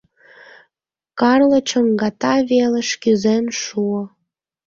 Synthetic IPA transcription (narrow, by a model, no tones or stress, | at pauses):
kɑrlə̆t͡ɕəŋɡɑt̪ɑβeleʃkyzenʃuo